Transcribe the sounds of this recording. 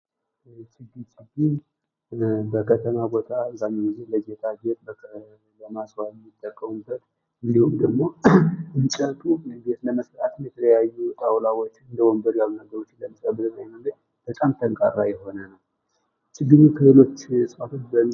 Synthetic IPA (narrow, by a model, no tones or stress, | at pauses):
t͡ʃɨɡɨt͡ʃʼibin | bəkʰət̪ʰəmabo̞t̪ʰʼaɨzamːewɨzihləd͡ʒet̪ʰʼad͡ʒet̪ʼbə | ləmaswaɛmːit̪ʼːəkʼːəwunbət̪ʼ | ɨnd̪ihumd̪əɡmo̞ɨnt͡ʃʼət̪ʼuɡet̪ləməsɾat̪ɨnjɛt̪ʰələjajːut̪ʼawlawot͡ʃːɨnd̪əwɔmbəɾjalunəɡəɾo̞t͡ʃːnləmisəbɨɾɨnajnəɡɨɲ | b̥ət̪ʼamt̪ʰəŋkʼa̰ra̰jɛɦo̞nənəw | t͡ʃɨɡɨzukʰɨhɨlo̞t͡ʃːsʼat̪ʰo̞t͡ʃːbə